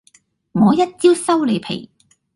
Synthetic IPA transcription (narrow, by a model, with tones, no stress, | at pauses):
ŋɔː˨˧jɐ˥t̚t͡siː˥wsɐ˥wle˨˧jpʰḛ˨˩j